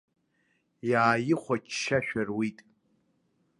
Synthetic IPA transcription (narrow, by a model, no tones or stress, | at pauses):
jaːjɪχʷat͡ʃʰʃaʃᶣarwitʼ